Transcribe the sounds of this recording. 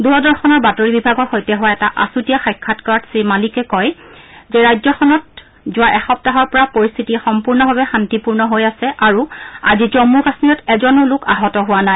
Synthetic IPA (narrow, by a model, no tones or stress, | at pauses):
duɹɔdɔɹxʰɔnɔɹbatoɹibibʱaɡɔɹxojtɛɦʊwaɛtaʔa̰sutijaxajkʰːatkaɹdsimalikɛkɔjzɛɹajzɔxɔnɔt̚ | zʊwaʔɛxɔp̚taɦɔɹpɔɹapoɹist̪ʰitixɔmpuɹnɔbʱabɛxantipuɹnɔɦojasɛʔaɹua̰zizɔmuɹbasnijɔtɛzɔnʊlʊka̰ɦɔtɔɦʊwanaj